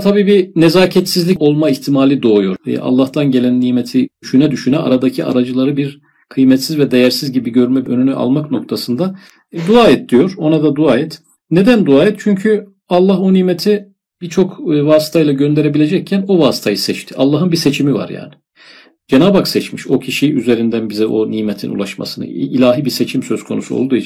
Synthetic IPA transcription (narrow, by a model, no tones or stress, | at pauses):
t̪ʰabiːbinezaːcʰɛt̪sizlʲico̞lˠmaiçt̪ʰimaːlʲid̪o̞ːjoɾ̰ʔa̰lˠːaht̪anɟe̞lʲænːiːmet̪ʰiyʃynɛd̪yʃynɛʔa̰ɾad̪acʰiʔa̰ɾad͡ʒɯlˠaɾɯbiɾ | kʰɯjmɛt̪sizvɛd̪e̞jæɾsizɟibiɟø̞ɾmɛønynyʔa̰lˠmakno̞k̚t̪ʰasɯnd̪a | d̪uaːɛt̪̚d̪ijo̞ɾ̥o̞nad̪ad̪uaːɛt̪ | ne̞d̪ænd̪uaːɛt̪̚t͡ʃʰyɲcʰy | alˠːaɦo̞niːmet̪ʰi | b̥iɾt͡ʃʰo̞kvaːsi̥t̪ʰajlˠaɟø̞nd̪e̞ɾebilʲe̞d͡ʒɛc̚cʰːæno̞vaːsi̥t̪ʰajɯsɛt͡ʃt̪ʰi̥ʔalˠːaɦɯnbiset͡ʃʰimiva̰ɾja̰ːnɪ̥ | d͡ʒenaːbaksɛt͡ʃmiʃo̞cʰiʃiyze̞ɾind̪ænbizɛʔo̞niːmet̪ʰḭnṵlˠaʃma̰sɯnɯ̰ilʲaːɦibiset͡ʃʰimsø̞z̥kʰo̞̰nusuo̰lˠd̪uj